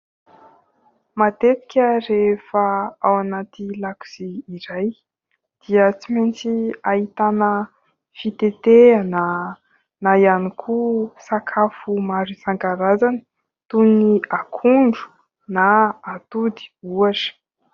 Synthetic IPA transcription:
mat̪et̪i̥kʲəɾefaawanat̪ilaku̥z̥iːɾaj | d̪̥iət͡siment͡siaɦit̪anə | fit̪et̪eana | najanikʰusakʰafumaɾisaŋɡaɾazani̥ | t̪uniakʰuɳɖ͡ʐu̥ | naːt̪ud̪i̥uaʈ͡ʂi̥

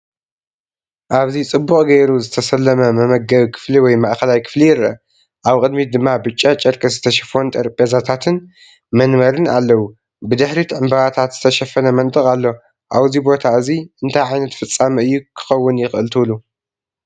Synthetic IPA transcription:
ʔaβzit͡sʼɨbːukʼɡɐjɾuzɨt̪ʰɐsɐlːɐmɐmɐmɐɡɐβikʰɨ̥fliwɔjmaʔxɐlajkʰɨ̥flijɪɾɐ̰ | ʔaβkʼɨd̪mid̪ɨmːabɨt͡ʃʼːat͡ʃʼɐɾkʼɐzɨt̪ʰɐʃɐfo̞nt̪ʰʼɐɾpʼjazat̪ʰat̪ʰɨn | mɐnmɐɾɨna̰lːɐwu | bɨd̪ɨħɾit̪ʰʕɨmbɐβat̪ʰat̪z̥ɨt̪ʰɐʃɐfɐnɐmɐnt̪ʼɨkʼalːo̞ | ʔaβzibo̞t̪ʰaɨziʔɨnt̪ʰajʕajnɐt̪fɨt͡sʼːamɐɨjːukʰɨ̥xɐwːʊnjɪxʔɨlt̪ʰulu

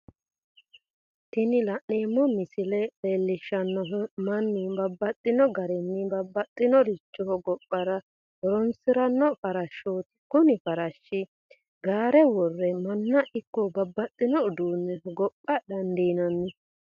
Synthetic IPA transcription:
t̪ɪnɪlɐʔneːmːɔmɪsɪlɛpeːlːɪʃːɐnːɔɦmɐnːɪbɐbːɐt̪ʼːɪnɔɡɐɾɛnːɪbɐbːɐt̪ʼːɪnɔɾɪt͡ʃːɔhɔɡɔpʼːɐɾɐ | ɔɾɔnsɪɾɐnːɔfɐɾɐʃːoːt̪ɪ̥kʊnɪfɐɾɐʃːɪ | ɡaːɾɛwɔrːɛmɐnːɐʔɪkːɔbɐbːɐt̪ʼːɪnɔʊd̪uːnːɛhɔɡɔpʼːɐdɐnd̪iːnɐnːɪ

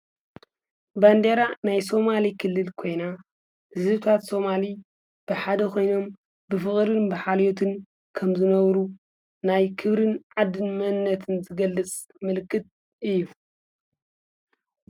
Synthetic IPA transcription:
band̪eɾanajso̞malikʰɨlːɨlkʰo̞jna | ɨzɨβt̪ʰat̪so̞mali | b̥ɨħad̪ɐkʰo̞jno̞m | bɨfɨχʼɾɨnbɨħaljot̪ʰɨn | kʰɐmzɨnɐβɾu | najkʰɨβɾɨnʕad̪ɨnmɐnːɐt̪ʰɨnzɨɡɐlːɨt͡sʼ | mɨlkːɨt̪̚ | ʔɨjːu

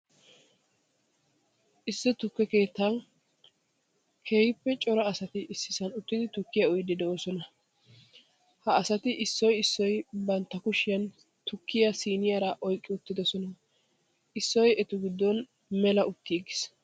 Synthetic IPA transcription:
ʔɪsːɛt̪ʊkːɛke̞ːt̪ːan | kʰehɪpːɛt͡ʃʼɔɾɐːsɐt̪ɪʔɪsːɪsɐnʊt̪ːɪd̪ɪt̪ʊkːɪjɐɔjd̪ɪd̪ɛoːsɔnɐ | hɐːsɐt̪ɪʔɪsːɔjɪsːɔjbɐnt̪ːɐkʊʃɪjɐn | t̪ʊkːɪjɐsiːnɪjɐɾɐʔɔjkʼːɪʊt̪ːɪd̪ɔsɔnɐ | ʔɪsːɔjɛt̪ʊɡɪd̪ːɔn | mɛlɐʔʊt̪ːiːɡɪs

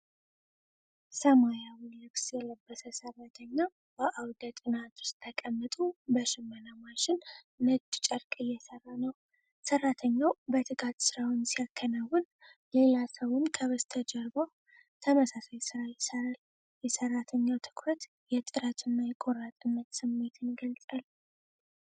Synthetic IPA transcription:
səmajawʊnlɨksjɛləbːəsəsərːat̪ʰəɲːa | bəʔawd̪ət̪ʼɨnat̪ʰʊ̥st̪ʰːəkʼəmːət̪ʼubəʃɪmːənamaʃɪnː | əd͡ʒʼt͡ʃʼəɾkʼɨjːɛsərːanəw | sərːat̪ʰəɲːawbət̪ʰɨɡat̪sɨɾawʊnsijakʰːənawːʊn | jɛlasəwʊnkʰəβəst̪ʰəd͡ʒəɾbo | t̪ʰəməsasajsɨɾajɪsəɾal | jɛsərːat̪ʰəɲːawt̪ʰɨ̥kʰɾət̪ | jɛt̪ʼɨɾət̪ʰɨnːajɛkʼoɾat̪ʼɨnːət̪sɨmːe̞t̪ʰɨnɡəlt͡sʼal

